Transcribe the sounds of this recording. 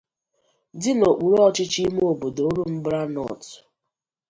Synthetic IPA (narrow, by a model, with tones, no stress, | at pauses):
dɪ˦no˨k͡pu˨ɾɔ˦t͡ʃɪ˦t͡ʃi˦m˦o˨bo˨do˦ɾu˦m̩˦bɾa˦nɔ̰˦˨t